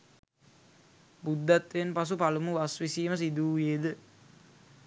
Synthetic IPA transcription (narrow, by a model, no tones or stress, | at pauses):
bud̪ːæt̪ʋenpas̬upalumuʋasʋisiːməs̬id̪uːjeːd̪ə